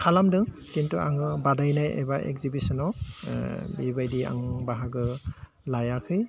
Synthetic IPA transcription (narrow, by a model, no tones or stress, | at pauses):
kʰalamdɯ | kintua̰ŋɯbadajnajɛ̰baʔɛ̰kzibisɔnɔw | bibajdia̰ŋbaɦaɡɯ | lajakʰɯj